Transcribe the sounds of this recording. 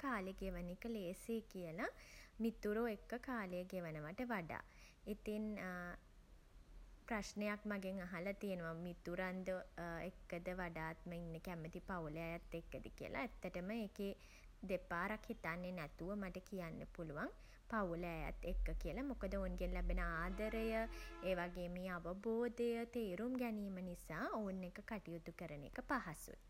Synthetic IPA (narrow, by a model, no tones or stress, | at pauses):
kaːleɡeʋənikəleːsekijəlamit̪uɾoekːəkaːləjəɡeʋənəʋaʈəʋaɖa̰ː | it̪in | prasnejakmaɡeŋaɦalat̪ijenəʋamit̪uɾand̪oekːəd̪əʋaɖaːt̪məinːəkæmət̪ipawləajat̪ːekːəd̪ikijə̰lʔa̰ːt̪ːəʈəməeːke | d̪epaːɾakhit̪anːenɛt̪uʋəmaʈəkijanːəpuluʋaŋ | pauləaja̰t̪ːekːəkijəlamokəd̪əounɡenlɛbenəaːd̪əɾəjəeːʋaɡeːmiːaʋəboːd̪ejət̪eːɾumɡɛniːmənisaːounːekəkaʈijut̪ukəɾənḛkəpaɦasṵt̪